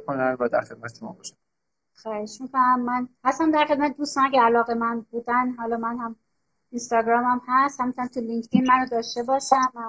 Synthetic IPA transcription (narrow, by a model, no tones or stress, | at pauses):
kʰonænvæd̪æ̰ɾxe̞d̪̥̚mæt̪ʰemɒ̰bɒʃæ̥ | xɒːheʃmikʰonæmːænhæst̪æmd̪æɾxed̪̚mæt̪ed̪uːst̪ɒːncʰeælɒːɣemænbuːd̪ænɦɒːlɒːmænhæm | inst̪ɒːɡɾɒːmæmhæst̪hæmint̪ʰoæmt̪ʰuliŋkʰt̪ʰinmænod̪ɒːʃt̪e̞bɒːʃæmæ